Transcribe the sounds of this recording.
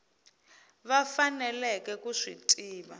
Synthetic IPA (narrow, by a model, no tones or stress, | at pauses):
βafanɛlɛkɛkuʂḭtʼiːβa